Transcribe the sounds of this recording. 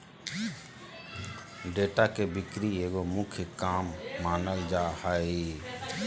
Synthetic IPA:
ɖeːʈaːkeːbɪkɾieːɡoːmʊkʰjəkaːmːaːnəld͡ʒaːhaːi

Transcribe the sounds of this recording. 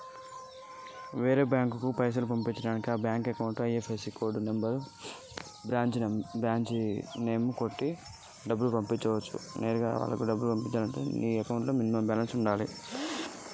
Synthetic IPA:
ʋeːɾe̞ːbjaːŋkukupɐjs̬ɐlup̬ɐmpiɲt͡ʃːɐɽaːnikiaːbjaːŋkekɐwuɳʈɐjefʰesikoːɾɖnembɐɾ | bɾaːɲt͡ʃbɾaːɲt͡ʃne̞ːmukoʈːi | ɖɐbːulupɐmpiɲt͡ʃːɐʋɐt͡ʃːṵneːɾuɡaːʋa̰ːlːɐkuɖɐbːulupɐmpiɲt͡ʃaːlɐɳʈuniːɛkɐwɳʈloːminmɐbɛlɐnsuɳɖaːlḭ

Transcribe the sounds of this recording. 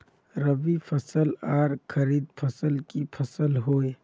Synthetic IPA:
ɾəʋipʰɐsəlaːɾkʰəɾiːd̪̚pʰɐsəlkipʰɐsəlɦoːe

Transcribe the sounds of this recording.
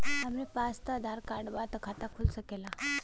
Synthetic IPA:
amepast̪əd̪ʱaɾkaɽʋat̪əkʰat̪akʰulsəkela

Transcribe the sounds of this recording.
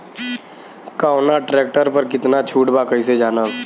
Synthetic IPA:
kaːnaʈɾeːk̚ʈəɾpɐɾkɪt̪nat͡ʃʰuːʈbaːkəised͡ʒaːna

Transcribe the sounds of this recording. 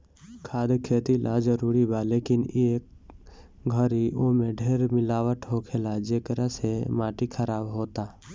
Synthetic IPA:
kʰaːd̪kʰeːt̪ilʔad͡ʒəɾuːɾibʱaleːkɪneːk̚ | ɡʱəɾiʔomẽɖʱeːɾmɪlaːʋəʈʰɦoːkʰelad͡ʒeːkəɾasemaːʈikʰəɾaːbɦoːt̪aː

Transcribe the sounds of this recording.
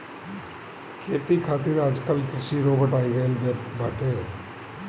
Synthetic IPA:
kʰeːt̪ikʰaːt̪ɪɾaːd͡ʒkəlkɾɪsiɾoːbəʈaːiɡəelbaːʈeː

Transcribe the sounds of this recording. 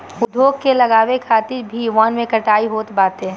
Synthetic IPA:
ʊd̪joːɡ̚kelɐɡaːwekʰaːt̪ɪɾbʱiʋaːnmẽkɐʈaːiɦoːt̪baːt̪ẽ

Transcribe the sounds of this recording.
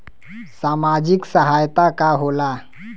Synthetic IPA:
samad͡ʑiksəɦajt̪akaɦola

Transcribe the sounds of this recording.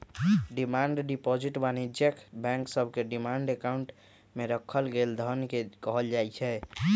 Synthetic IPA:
ɖimaɳɖɖipɔd͡ʒiʈbanid͡ʒjəkʰbɛ̃ŋksəbʱkeɖimaɳɖekauɳʈ | meɾəkʰəlɡeld̪ʱənkekəɦəld͡ʒajt͡ʃʰɛ

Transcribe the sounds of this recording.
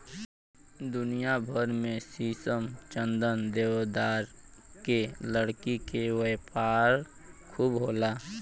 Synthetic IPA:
d̪ʊnijabʱəɾmẽsiːsəmt͡ʃə̃nd̪ənd̪eːwd̪aːɾkeləɽkikewepaːɾ | kʰuːbɦoːlaː

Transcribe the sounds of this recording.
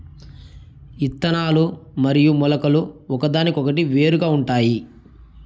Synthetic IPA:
it̪ːɐnaːlumɐɾijumɔlɐkɐluɔkɐd̪aːnikɔkɐʈiʋe̞ːɾuɡaːuɳʈaːji

